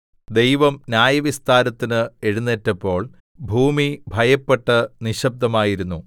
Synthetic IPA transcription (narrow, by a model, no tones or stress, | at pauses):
d̪e̞jʋɐmnjaːjɐʋist̪ʰaːɾɐt̪ːinɨe̞ɻunːetːɐpːo̞ːɭ | bʱuːmibʱɐjɐpːe̞ʈːɐniɕɐb̚d̪ʱɐmaːjiɾunːu